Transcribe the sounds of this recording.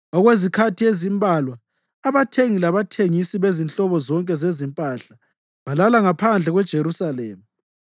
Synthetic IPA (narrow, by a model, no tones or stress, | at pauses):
ɔɣwezikʰatʰiezimbʱalwaː | βatʰeŋilaβatʰeŋisiβezint͡ɬʼɔβɔzɔŋkʼɛzezimpʼaːɬa | βalalaŋapʰand͡ɮʱɛɣwɛd̥ʒ̥ʱeɾusaleːmi